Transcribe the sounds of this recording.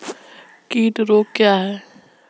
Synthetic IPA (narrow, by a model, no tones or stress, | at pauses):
kiːʈɾoːkːjaːɦɛː